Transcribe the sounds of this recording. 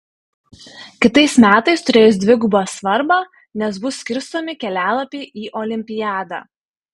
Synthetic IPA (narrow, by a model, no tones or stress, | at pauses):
kʲɪt̪ɐɪsmʲæːt̪ɐɪst̪ʊɾʲeːjʊs̬d̪ʲʋʲɪɡʊbɑːsʋɐɾbɑː | nʲɛsbʊsːʲkʲɪɾst̪oːmʲɪkʲɛlʲæːlˠɐpʲeːʔiːʔoːlʲɪmʲpʲɪjæːd̪ɑ̰ː